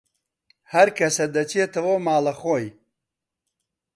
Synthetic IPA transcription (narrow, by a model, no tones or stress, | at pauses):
hɐɾkɐsɐd̪ɐt͡ʃet̪ɐwomaːlɐxoj